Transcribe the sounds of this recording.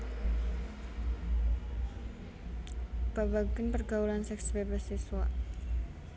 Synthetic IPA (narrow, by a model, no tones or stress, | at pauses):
b̥abaɡənpərɡaulansɛksbebasiswaʔ